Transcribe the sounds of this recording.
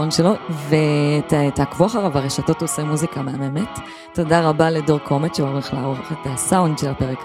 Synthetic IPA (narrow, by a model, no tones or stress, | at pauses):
onʃelovettakvuaχaʁavaʁeʃato̞tosemuzikameamemetː | o̞daʁabaledoʁko̞metʃeolʁeχlaʁovχetasawundʃelapeʁek